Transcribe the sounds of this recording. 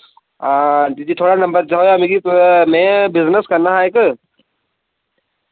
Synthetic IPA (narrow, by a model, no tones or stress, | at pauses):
at̪id͡ʒit̪ʰoːɽanɐ̃mbəɾd͡ʒaɦojamiɡimɛ̃bɪznəskɐɾnaɦaek